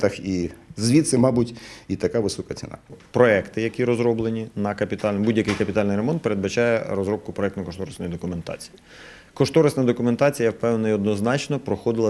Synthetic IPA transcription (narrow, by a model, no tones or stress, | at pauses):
t̪ɐxizʋʲit̪sɪmɑbutʲit̪ɐkaʋɪsɔkɐt͡sʲḭnɑ̰pɾɔɛkt̪ɪjɐkʲiɾɔzɾɔblˠenʲinɐkɐpʲit̪ɑlʲbudʲjɐkɪjkɐpʲit̪ɑlʲnɪjɾemɔnt̪peɾe̞d̪̚bɐt͡ʃɑjɛɾɔzɾɔb̚kʊpɾɔɛk̚t̪nɐkɔʃt̪ɔɾɐsnɔjid̪ɔkʊme̞nt̪ɑ̰t͡sʲi̥ji | kɔʃt̪ɔɾɐsnɐjɐd̪ɔkʊme̞nt̪ɑt͡sʲijɐwpɛwnnɐiɔd̪nɔznɑt͡ʃnɔpɾɔxɔd̪ɪlˠɐ